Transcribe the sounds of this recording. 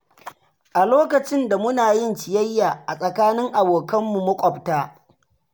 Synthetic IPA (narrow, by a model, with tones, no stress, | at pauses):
ʔa˨loː˦kɐ˨t͡ʃɪ˦nda˨mʊ˦naː˨jɪ˦nt͡ʃɪ˨jɐ˦jːaː˨ʔa˨sʼɐ˨kaː˦nɪ˦ŋʔa˨boː˨kɐ˦mːu˨mʊ˦kʷʼɔ˨btaː˦